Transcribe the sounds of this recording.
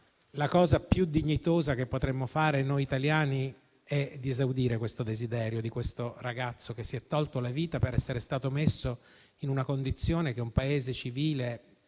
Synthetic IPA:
lakɔːzapjud̪iɲːit̪oːzak̟epːot̪ɾemːofaːɾenojit̪aljaːni | ɛd̪ːiezawd̪iːɾekwest̪od̪ezid̪ɛːɾjod̪ikwest̪oraɡat̪sːok̟esːiɛt̪ːɔlt̪olaviːt̪apeɾɛsːeɾest̪aːt̪omesːo | inunakond̪it̪sːjoːnekeumpaeːzet͡ʃiviːle

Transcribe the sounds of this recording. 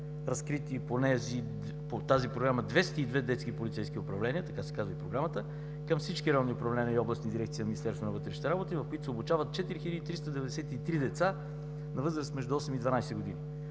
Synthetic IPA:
ɾɐskɾit̪iponɛzi | pot̪azipɾoɡɾaməd̪vɛst̪id̪vɛd̪ɛt̪skipolit̪sɛjskiʊpɾɐvlɛniət̪ɐkasɛ̥kazvəipɾoɡɾamət̪ə | kəmfsit͡ʃkiɾɛlniʊpɾɐvlɛniəiɔblˠəsnid̪iɾɛk̚t̪sinɐminist̪ɛɾst̪vonɐvɤt̪ɾɛʃni̥t̪ɛɾabot̪ivɐfkoit̪ʊsɛobut͡ʃavət̪̚t͡ʃɛt̪iɾixiləd̪iːt̪ɾist̪əd̪ɛvɛd̪ɛsɛt̪it̪ɾid̪ɛt̪sa | nɐvɤzɾəst̪mɛʒd̪ʊɔsɛmid̪vɐnajsɛɡod̪ini

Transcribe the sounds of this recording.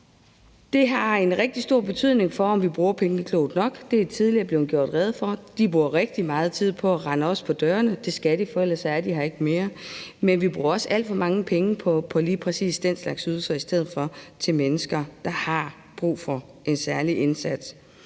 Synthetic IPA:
d̥e̝ɦɑ̈e̝nʁɛɡ̥̚d̥isd̥o̝ɐ̰b̥e̝t͡sʰyð̞̰ˠne̝ŋfɒ̽ɒ̽mʋib̥ʁuːɐpʰeŋnəkʰlo̰ʊd̥nɒ̽ɡ̥d̥e̝æt͡sʰið̞ˠliɐb̥le̝ʊnɡ̥jo̝̰ɐ̰d̥ʁɛð̞̩ˠfɒ̽d̥ib̥ʁuːɐʁeɡ̥̚d̥imɑ̈ːð̞̩ˠt͡sʰið̞̰ˠpʰɒ̽æʁɑ̈nəɒ̽spʰɒ̽d̥ɶːɐnəd̥e̝sɡ̥æɾ̥ifɒelɐsɑæɐd̥iɦɑ̈e̝ɡ̥əme̝ːɐmenʋib̥ʁuːɐɒ̽sʔæl̰d̥fɒ̽mɑ̈ŋəpʰeŋəpʰɒpʰɒ̽liːpʰʁɛsḭːsd̥en̰slɑ̈ɡ̥syðˠl̩sɐisd̥eð̰̩ˠfɒ̽t͡sʰe̝lmenəsɡ̥ɐd̥ɑ̈hɑ̈ | b̥ʁṵːfɒ | ʔe̝nsæɐliʔensæd̥s

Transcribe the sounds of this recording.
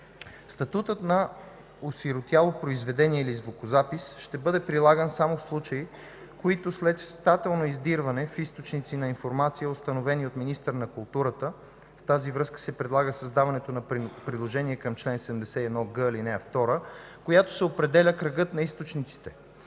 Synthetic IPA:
st̪ɐt̪ut̪ət̪nɐ | osiɾot̪jalˠopɾoizvɛd̪ɛniɛilizvokʊzapisʃt̪ɛbɤd̪ɛpɾilˠaɡənsamofslˠut͡ʃɐi | koit̪oslɛt̪st̪at̪ɛlˠnoizd̪iɾvɐnɛfist̪ot͡ʃnit̪sinɐinfoɾmat̪sijəost̪ɐnovɛniot̪minist̪əɾnɐkʊlˠt̪uɾət̪ə | ft̪azivɾɤskə̥sɛpɾɛd̪lˠaɡəsəzd̪avɐnɛt̪onɐpɾid̪lˠoʒɛniɛkɐmt͡ʃlɛnsɛd̪ɛmd̪ɛsɛiɛd̪nɔɡɤilinɛɐft̪ɔɾəkojat̪o̥sɛopɾɛd̪ɛlʲəkɾɐɡɤt̪nɐist̪ot͡ʃnit̪si̥t̪ɛ

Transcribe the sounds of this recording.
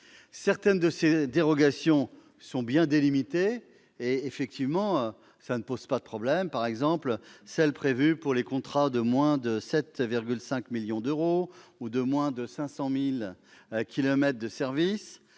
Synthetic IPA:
sɛʁt̪ɛnd̪əsed̪eʁɔɡasjɔ̃ | sɔ̃bjɛ̃d̪elimit̪eː | efɛk̚t̪ivmɑ̃ø | sanəpoz̥pad̪əpχɔblɛmpaʁɛɡzɑ̃plsɛlpχevypuʁlekɔ̃t̪χad̪əmwɛ̃d̪əsɛt̪viʁɡʲylsɛ̃kmiljɔ̃d̪øʁoud̪əmwɛ̃d̪əsɛ̃sɑ̃milkʲilɔmɛt̪χd̪əsɛʁvis

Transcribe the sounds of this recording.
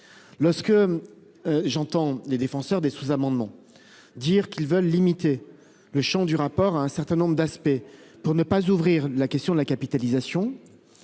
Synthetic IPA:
lɔʁskə | ʒɑ̃t̪ɑ̃led̪efɑ̃sœʁd̪esuzamɑ̃d̪mɑ̃ | d̪iʁkʲilvœlːimit̪e | ləʃɑ̃d̪yʁapɔʁaɛ̃sɛʁt̪ɛ̃nɔ̃bʁəd̪aspɛpuʁnəpazuvʁiʁlakʲɛst̪jɔ̃d̪əlakapit̪alizasjɔ̃

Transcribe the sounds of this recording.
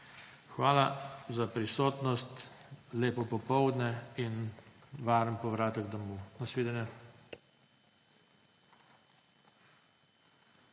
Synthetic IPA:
xʋaːlazapɾisoːt̪nɔst̪leːpɔpɔpɔwd̪nɛinʋaːɾəmpɔʋɾaːt̪əɡd̪ɔmunasʋeːd̪ɛnjɛ

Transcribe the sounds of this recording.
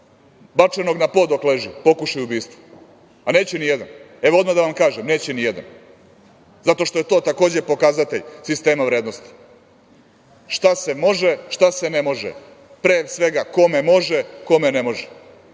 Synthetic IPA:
bat͡ʂeno̞ɡnapo̞ːd̪okle̞ʒipo̞kuʃajubiːst̪ʋo̥ | aneːt͡ɕenijed̪an | e̞ʋood̪mad̪aʋamkaːʒemne̞ːt͡ɕɛnijed̪a̰n | zat̪o̞ʃt̪o̞je̞t̪o̞ːt̪ako̞ːd͡ʑepo̞kazat̪eʎsist̪e̞ːmaʋɾeːd̪no̞st̪i̥ | ʃt̪asemo̞ʒeʃt̪asenemo̞ʒḛ | pɾeːsʋe̞ɡako̞memo̞ʒeko̞menemo̞ʒɛ

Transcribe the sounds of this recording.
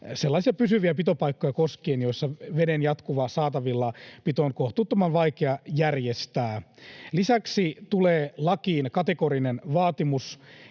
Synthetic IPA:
selːɑːsiɑpysyʋiæpit̪opɑikːojɑkoskeːnjoisːɑʋedenjɑt̪kuʋɑːsɑːt̪ɑʋilːɑpit̪onkoht̪ut̪ːomɑnʋɑikeɑjærjest̪æːlisæksit̪uleːlɑkiːnkɑt̪ekoɾinenʋɑːt̪imus

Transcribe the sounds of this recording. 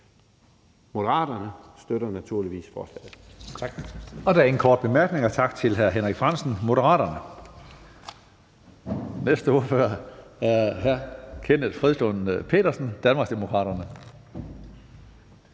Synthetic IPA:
mo̝dəʁɑ̰̈ːd̥ɐnəsd̥øɾɐnæt͡sʰuɐliʋḭːsfɒ̰ːslɛ̰ːð̩ˠ | ɒ̽d̥ææɐenkʰɒːd̥̚b̥e̝mæɐɡ̥ne̝ŋɒt͡sʰɑ̈ɡ̥̚t͡sʰe̝lɦæɐɦenʁaɡ̥fʁɑ̈n̰sn̩mo̝ɾəʁɑ̰̈ːɾɐnə | nesd̥əoɐføɐæɐɦæɐkʰenəð̥ˠfʁiðˠsl̥onpʰe̝̰ːɾɐsn̩d̥ænmɑ̈ɡsd̥emo̝kʰʁɑ̰̈ːɾ̥ɐnə

